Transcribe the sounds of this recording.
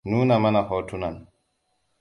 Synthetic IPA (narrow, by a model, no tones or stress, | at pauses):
nuːnamanahɔːtunan